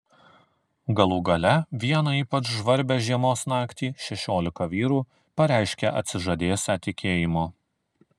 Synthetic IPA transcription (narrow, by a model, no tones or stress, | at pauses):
ɡɐlˠuːɡɐlʲɛʋʲiɛnɐiːpɐt͡ʃʒʋɐɾʲbʲɛʒʲiɛmoːsnɑːkt̪ʲiːʃʲɛʃʲoːlʲɪkɐʋʲiːɾuː | pɐɾʲæˑɪʃʲkʲɛʔɐ̰t̪ʲsʲɪʒɐd̪ʲeːsʲɛt̪ʲɪkʲeːjɪmoː